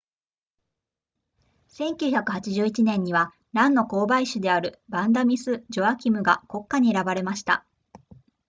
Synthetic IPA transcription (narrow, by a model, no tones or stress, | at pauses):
sẽ̞ŋkʲɨːçakɯ̟̥hat͡ɕiʑɨːit͡ɕinẽ̞ɲ̟ːiβa | ɾãnːo̞ko̞ːbaiɕɨd̪e̞aɾɯ̟bãnd̪amʲisɨd͡ʑo̞akʲimɯ̟ɡako̞kːaɲ̟ie̞ɾabaɾe̞maɕi̥t̪a̰